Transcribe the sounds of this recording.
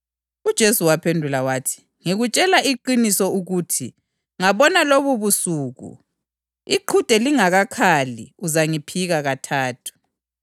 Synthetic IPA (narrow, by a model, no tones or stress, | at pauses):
ud̥ʒ̥ʱesuwapʰendʱulawaːtʰi̥ | ŋiɣut͡ʃʼɛlaʔiǃinisɔuɣuːtʰi | ŋaβɔnaloβuβusuːɣṵ | iǃʰud̥ʱɛliŋaɣakʰalḭuzaŋipʰiɣaɣatʰaːtʰu̥